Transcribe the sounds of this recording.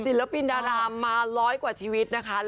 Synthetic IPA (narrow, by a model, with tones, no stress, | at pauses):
si˩˦lɾa˦˥pi˧ndaː˧ɾaː˧mːaː˧ɾɔː˦˥jkwaː˨˩t͡ɕʰiː˧wi˦˥t̪̚na˦˥kʰa˦˥l